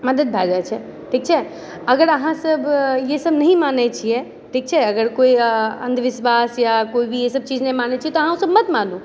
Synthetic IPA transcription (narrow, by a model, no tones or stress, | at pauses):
mɐd̪əd̪̚bʱad͡ʒaet͡ʃʰɛ | ʈʰiːk̚t͡ʃʰɛ | ɐɡəɾɐɦãsɐbjesɐbnɐɦĩmaːnet͡ʃʰiɛ | ʈʰiːk̚t͡ʃʰɛɐɡəɾkoːiɐ̃nd̪ʱʋɪʃʋaːsjakoːibʱijesɐb̚t͡ʃiːd͡ʒnɐɦĩmaːnet͡ʃʰiɛt̪oɐɦãosɐbmɐt̪mãːlũː